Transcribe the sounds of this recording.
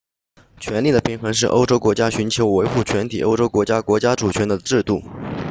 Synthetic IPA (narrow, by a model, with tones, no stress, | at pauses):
t͡ɕʰɥɛ˧˥nli˥˩ə˩pʰi˧˥ŋxɤ˧˥ŋʂ̬ɻ̩˥˩ʔo̰˥ʊʈ͡ʂo˥ʊkwɔ˧˥t͡ɕja˥ɕy˧˥nt͡ɕʰjo˧˥ʊwe˧˥ɪxu˥˩t͡ɕʰɥɛ˧˥nt̪ʰi˨˩ʔo̰˥ʊʈ͡ʂo˥ʊkwɔ˧˥t͡ɕja˥kwɔ˧˥t͡ɕja˥ʈ͡ʂu˨˩t͡ɕʰɥɛ˧˥nd̪ə˧ʈ͡ʂɻ̩˥˧t̪u˥˩